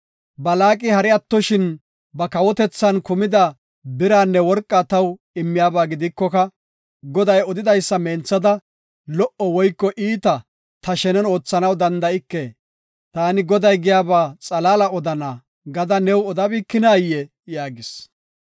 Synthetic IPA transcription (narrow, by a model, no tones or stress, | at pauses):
bɐlaːkʼɪhɐɾɛɐt̪ːɔʃɪn | bɐkɐwɔt̪ɛt͡sːɐnkʊmɪd̪ɐ | bɪɾaːnːɛwɔɾkʼːat̪ɐw | ɪmːɪjaːbaːɡɪd̪ɪkːɔkɐ | ɡɔd̪ɐjɔd̪ɪd̪ɐjsːɐmeːnt͡sːɐd̪ɐ | lɔʔɔwɔjkːɔʔiːt̪ɐ | t̪ɐʃɛnɛno̞ːt͡sːɐnɐwd̪ɐnd̪ɐɪkːeː | t̪aːnɪɡɔd̪ɐjɡɪjaːbaːt͡sʼɐlaːlɐɔd̪ɐnaː | ɡɐd̪ɐnɛwɔd̪ɐbiːkːɪnaːjːɛ | jaːɡɪs